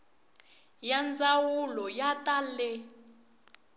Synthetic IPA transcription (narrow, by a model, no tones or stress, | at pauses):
jand͡zawulɔjatʼalɛ